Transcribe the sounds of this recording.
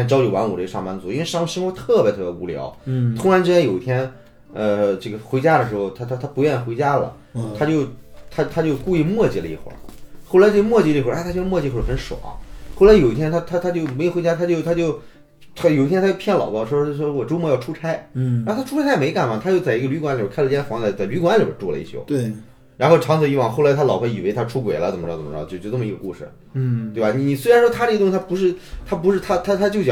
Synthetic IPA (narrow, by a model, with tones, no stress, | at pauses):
a˧˩t͡ɕjɑ˥t͡ɕjo˨˩ʊwa˧˥nṵ˨˩ʈ͡ʂʂɑ˥˩ŋma˧˥nt͡su˧˥˩i˥nwe˧ɪʂɑ˥˧ŋu˥˩ɕi˥wɔ˥t̪ʰɤ˥˩bʲjɛ˧˥t̪ʰɤ˥˩ju˧˥˩ljɑ̰˧˥ʊt̪ʰʊ˥ŋɻa˧˥nt͡ɕjjo˨˩i˧t̪ʰjɛ˥n | ə˧ʈ͡ʂɤ˥˩ɡə˩xwe˧˥ɪt͡ɕja˥ɾə˨ʂ̬ɻ̩˧˥xo˧ʊt̪ʰa˥t̪ʰa˥t̪ʰa˥pu˧˥ɥɛ˥˩ni˨˩xwe˧˥ɪt͡ɕja˥lə̰˨˩ | t̪ʰa˥t͡ɕjo˥˧ʊt̪ʰa˥t̪ʰa˥t͡ɕjo˥˧ʊku˥˧i˥˧mwɔ˥˩t͡ɕi˧˩lə˧ḭ˧˩xw̰xo˥˩ʊla˧˥ɪt͡ɕo˥˩˧mwɔ˥˧˩t͡ɕi˧lə˧xwt̪ʰa˥t͡ɕo˥˧˥mwɔ˥˧t͡ɕi˧˥o˥˩˥xə˧˥nʂwɔ̰˨˩˦xo˥˩la˧ɪjo˨˩ʊi˧˥t̪ʰjɛ˥nt̪ʰa˥t̪ʰa˥t̪ʰa˥t͡ɕjo˥˩ʊme˧˥jo˨˩xwe˧˥t͡ɕja˥t̪ʰa˥t͡ɕjo˥˧ʊt̪ʰa˥t͡ɕjo˥˧ʊ | t̪ʰa˥jo˨˩ʊi˥t̪ʰjɛ˥t̪a˥˩pʰjɛ˥˩nlɑ̰˨˩ʊpɑ˥˩ʂwɔ˥˧ʂwɔ˥wɔ˨˩ʈ͡ʂo˥ʊmɔ˧˥jɑ˥˧ʊʈ͡ʂʰu˥ʈ͡ʂʰa˥ɪ˥˧˥t̪ʰa˥ʈ͡ʂʰu˥a˥me˧˥ɪka˨˩nma˨˩t̪ʰa˥t͡ɕjo˥˧ʊt͡sa˥˩ɪi˧˥ɡə˧ly˧˥kwa˧˥nli˨˩˨kʰlə˧˥ɛ˥˩fɑ˧˥ŋt͡sa˧˥˩t͡sa˥˩ɪly˧˥kwa˧˥nli˨˩bə̰˧˥ʈ͡ʂɔ˥˩lə̰˧ḭ˥˩t͡ɕʰjo̰˥˧˩ʊt̪we˩ | ɻa˧˥nxo˥˩ʊʈ͡ʂʰɑ˧˥ŋt͡s̩˨˧˩i˧˥wɑ˥˩ŋxo˥˩ʊla˧˥ɪt̪ʰa˥lɑ˨˩ʊxa˧˥˩i˨˩we˧˥ɪt̪ʰa˥ʈ͡ʂʰu˥kwḛ˨˩ɪlə˦t͡sə˨˩mə˥˩t͡sɑ̰˧t͡ɕjt͡ɕo˥˧ʊʈ͡ʂɤ˥˩ə˩i˧˥ɡə˧kṵ˥˩ʂɻ̩̰˥˩˥ | t̪we˥˩ba˩ni˨˩ni˨˩s̬we˥ɪa˧˥nʂwɔ˥t̪ʰa˥ʈ͡ʂ̪t̪ʰa˥pu˧˥ʂ̬ɻ̩˥˩t̪ʰa˥p̬u˧˥ʂɻ̩˥˧˩t̪ʰa˥t̪ʰa˥t̪ʰa˥t͡ɕjʊt͡ɕjɑ˧˩